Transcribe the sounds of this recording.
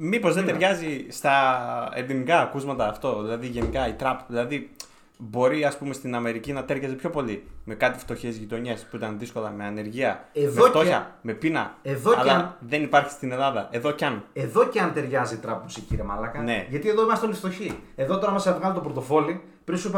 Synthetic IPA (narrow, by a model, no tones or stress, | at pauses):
mipo̞zðetd̪eɾʝɐzist̪ɐend̪imikɐːkuzmɐt̪ɐːft̪o̞ðilɐðiʝe̞nikɐit̪ɾɐpðilɐði | bo̞ɾiɐspume̞st̪inɐme̞ɾicinɐt̪e̞ɾʝɐzepço̞po̞lime̞kɐt̪i̥ft̪o̞çe̞zʝit̪o̞ɲespuit̪ɐnðisko̞lɐme̞ɐne̞ɾʝiɐeðmeot̪oçɐme̞pinɐ̰eðoɐlɐðe̞nipɐɾçi̥st̪ine̞lɐðɐʔe̞ðocɐneðo̞ceɐnt̪e̞ɾʝɐzit̪ɾɐpːusiciɾemɐlɐkɐne̞ʝɐt̪ieðoimɐst̪onist̪o̞çie̞ðo̞t̪o̞ɾɐmɐsɐvɣɐlit̪opɾot̪o̞fo̞li | pɾisup